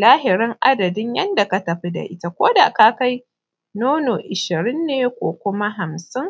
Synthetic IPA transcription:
laː˦ɦɪ˨ɾɪ˦ŋʔa˦dɐ˨dɪ˦ɲjɐ˦nda˨ka˨tɐ˨ɸi˦da̰˨ʔɪ˦ta˨kʷoː˦da̰˨ka˦ka˦j | noː˦no˨ʔɪ˨ʃɪ˨ɾɪ˦nːeː˨kʷo̰ː˨kʷʊ˦ma˦ɦa˨msɪ˦ŋ

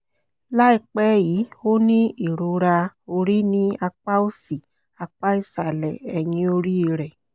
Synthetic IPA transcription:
la˦i˨k͡pɛ˦ji˨˦wo˦nĩ˦i˨ɾu˨˧ɾa˧o˧ɾi˦nĩ˦a˧k͡pa˦o˦si˨ | a˧k͡pa˦i˦sa˨lɛ̰˨ɛ˨ɲĩ˨˦o˧ɾi˦i˨ɾɛ˨

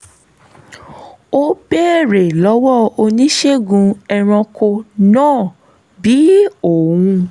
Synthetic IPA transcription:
o˦be˦˨ɾe˨lɔ˨˦wɔ˦o˧nĩ˦ʃe˦ɡũ˧ɛ˧ɾ̃ɔ̃˧ko˧nãː˦˨ | bi˨˦o˨wũ˧

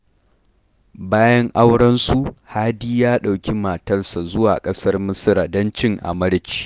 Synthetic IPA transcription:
baː˦jɐ˦ŋʔa˦wɽɐ˦nsu˨ʔhaː˦diː˦jaː˦ɗa˨wkʲi˦maː˨tɐ˦rsa˨zʊ˦waː˨kʼɐ˦sɐ˦rmʊ˦sɪ˦ɾa˨dɐ˦nt͡ʃɪ˦ŋʔa̰˨mɐ˦ɽt͡ʃi̥ː˦

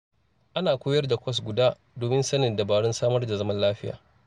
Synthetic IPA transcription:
ʔa˦naː˨kʷoː˦jɐ˦rda˨kʷʰɐ˦s̬ɡʷʊ˨daː˦ | doː˨mɪ˦nsɐ˦nɪ˨nda˨baː˨ɽʊ˦nsaː˦mɐ˦rda˨zɐ˦mɐ˦nlaː˦ɸɪ˦ja̰ː˨

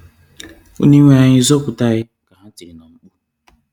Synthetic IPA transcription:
o̰˦ni˦ŋʷe˦a˨ɲɪ˦zo˦kʷʊ˨ta˦ɣɪ˦ | ka˨ɦa˦tɪ˨nɔ˨ŋ͡m̩˦k͡pu˦

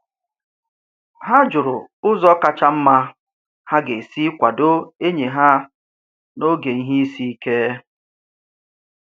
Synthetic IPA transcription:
ɦa˦d͡ʒʊ˨ɾʊ˨ʊ˦zɔ˦ka˨t͡ʃa˦m̩˦ma˦ | ha˦ɡe˨si˦kʷa˨do˦e˦ɲe˨ɦa˦ | no˦ɡe˨i˦ɦi˦i˦si˦i˦ke˦

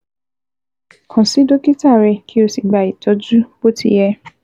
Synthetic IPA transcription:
kʰã˨si˨˦do˦ki˦ta˦˨ɾɛ˧kʰi˦o˧˨si˨ɡ͡ba˨i˨tɔ˨˦d͡ʒu˦b̥o˦tḭ˧jɛ˧

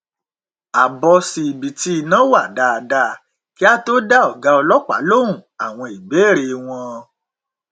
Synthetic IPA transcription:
a˨bɔ˧si˧i˨bi˨ti˦i˧nã˨˦wa˦˨da˨˧a˨da˧˨ | ki˦a˦to˦da˦ɔ˨ɡa˨˦ɔ˧lɔ˦k͡pa̰˨˦lo˦ũ˦˨a˨w̃ɔ̃˧i˨be˨˦˨ɾe˧w̃ɔ̃˧

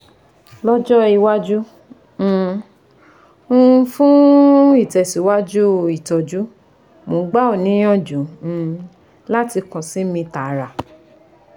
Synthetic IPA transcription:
lɔ˦d͡ʒɔ˦i˧wa˦d͡ʒũ˦˨ | ũ˦fũ˦i˦˨tɛ˨si˨˦wa˦d͡ʒu˦i˨tɔ˨d͡ʒu˦ | mõ˨˦ɡ͡ba˦o˦˨nĩ˨˦j̃ɔ̃˦˨d͡ʒũ˨˦˨ | la˦ti˧kɔ̃˨si˨˦mĩ˧ta˨˦ɾa˨

